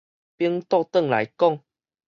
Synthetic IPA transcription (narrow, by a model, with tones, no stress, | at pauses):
pi˦əŋt̪ɔ˥˧t̪ə˥˨ŋla̰˨˦jkɔ˥˨ŋ